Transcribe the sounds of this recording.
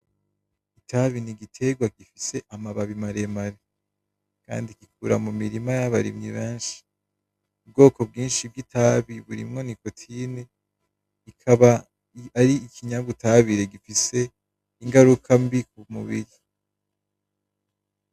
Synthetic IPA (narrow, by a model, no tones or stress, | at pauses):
itʰaβiniɡitʰe̞ɡwaɡifise̞ʔamaβaβimaɾemaɾe | ka̰ːndikikuɾamumiɾimajaβaɾḭmɲiβeːnʃi̥ | ub̚ɡo̞ːko̞b̚ɡiːnʃib̚ɡitʰaːβiβuɾḭmŋo̞nikotʰini | ikʰaβa | aɾiːkʰiɲaβutaβiɾe̞ɡifise̞ | iŋɡaɾukʰambikumuβḭɾi